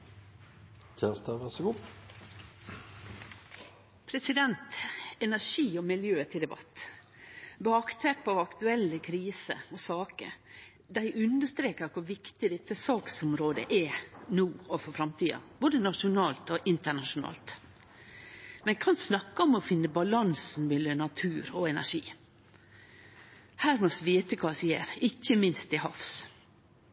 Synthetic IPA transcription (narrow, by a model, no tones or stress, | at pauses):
çʰɛnst̪əʋæʂəɡuː | pʰɾɛsɪd̪ɛnt̪ɛnæʂiːɔmɪljøːət̪ʰɪld̪ɛbɑ̰t̪ː | bɑːkt̪ʰɛpɑʋɑkt̪ʉɛlːəkʰɾiːsə̰ɔsɑːkə̰ɾ | d̪æɪʔʉnd̪əʂt̪ɾeːkəɾkʰʊɾʋɪkt̪ɪd̪ɛt̪ːəsɑːksɔmɾoːd̪ə̰ʔɛnuːɔfɔɾfɾɑmt̪ʰiːɑ̰boːd̪ənɑʂʊnɑːlt̪ɔʔɪnt̪əɳɑʂʊnɑ̰ːlt̪ | mɛnkʰɑnsnɑkːəɔmɔfɪnːəbɑlɑnsn̩bɪlːənɑt̪ʰʉːɾɔɛnæ̰ʂḭː | hæːɾmɔsʋiːt̪əkʰɑːsiːə̰ɾɪçːəmɪnst̪ɪɦɑfs